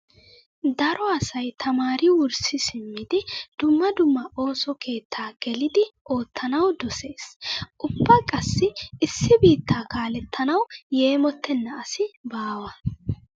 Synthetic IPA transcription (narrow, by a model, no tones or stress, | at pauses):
d̪ɐɾɔɐsɐjt̪ʰɐmaːɾɪwʊɾsɪsɪmːɪd̪ɪd̪̥ʊmːɐd̪ʊmːɐʔo̞ːsɔkʰe̞ːt̪ʰːaːɡ̥ɛlɪd̪ɪo̞ːt̪ʰːɐnɐwd̪ɔse̞ːsʔʊbːɐkʼɐsːɪɪsːɪbiːt̪ːaːkaːlɛt̪ʰːɐnɐwje̞ːmɔt̪ʰːɛnːɐːsɪbaːwɐ